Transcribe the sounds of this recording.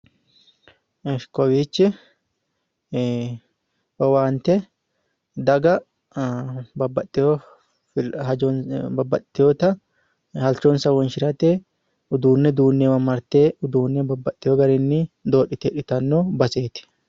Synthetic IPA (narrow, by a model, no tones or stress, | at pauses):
ɛskɔwiːt͡ʃːɪ | wɐwaːnt̪ɛ | d̪ɐɡɐ | bɐbːɐt̪ʼːɪo | hɐnbɐbːɐt̪ʼːɪjoːt̪ɐ | hɐlt͡ʃoːnsɐwːɐnʃɪɾɐt̪eː | ʊd̪uːnːɛd̪uːnːɛwɐmːɐɾt̪eːʊd̪uːnːɛbɐbːɐt̪ʼːɪjoːɡɐɾɪnːɪd̪o̞ːɗɪt̪eːᶑɪt̪ɐnːoːbɐseːt̪ɪ̥